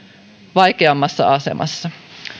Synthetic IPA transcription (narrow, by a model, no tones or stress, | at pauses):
ʋɑjkeɑmːɑsːɑ̰ɑsḛmʔɑ̰sːɑ